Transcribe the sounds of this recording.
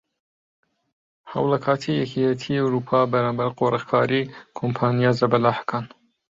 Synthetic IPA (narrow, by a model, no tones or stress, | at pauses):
hɐ̰wlɐkʰaːt̪ʰijɛkʰijɛt̪ʰiawɾuːpʰɑːbɐɾaːmbɐɾqʰoɾʔəxkʰaːɾikʰompʰaːnijazɐbɐlaːħkʰaːn